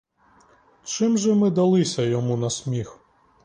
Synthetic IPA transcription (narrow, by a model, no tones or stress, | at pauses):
t͡ʃɪmʒɛmɪd̪ɐlˠɪsʲɐjɔmunɐsʲmʲix